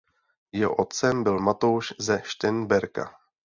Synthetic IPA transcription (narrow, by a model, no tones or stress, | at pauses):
jɛɦo̰ʔo̞t̪̚t͡sɛmbɪlmat̪owʃzɛʃt̪ɛnbɛɾka̰